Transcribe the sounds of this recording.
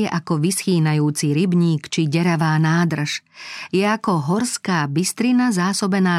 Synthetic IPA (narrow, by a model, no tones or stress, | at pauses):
ɛʔakɔʋisxiːnajuːt͡siɾibɲiːkt͡ʃiɟɛɾaʋaːnaːd̪r̩ʃjɛakɔɦɔɾskaːbist̪ɾinazaːsɔbɛnaː